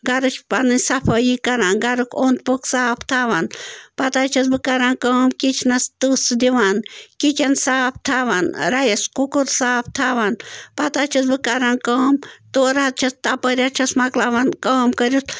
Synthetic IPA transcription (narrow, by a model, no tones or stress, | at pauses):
ɡɐɾut͡ʃʰpanɨnʲsɐpʰɐjikɐɾaːnɡɐɾukʰont̪poksaːpʰt̪ʰaʋanpɐt̪aːt͡ʃʰɐs̬bɨkɐɾaːnkəːmkit͡ʃʰnɐst̪usd̪iʋaːnkit͡ʃɐnsaːp̚ʰt̪ʰaːʋanɾɐjɐskukuɾsaːpʰt̪ʰaːʋanpɐt̪aːt͡ʃʰɐsbɨkɐɾaːnkəːmt̪oːɾat̪̚t͡ʃʰɐst̪apəɾʲat͡ʃʰɐsmɐklaːʋankəːmkəɾus